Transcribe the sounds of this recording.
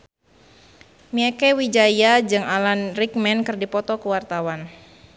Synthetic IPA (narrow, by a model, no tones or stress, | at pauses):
miɛkɛwid͡ʒajad͡ʒɨŋalanrik̚mɛnkɨrdipɔt̪ɔkəwart̪awan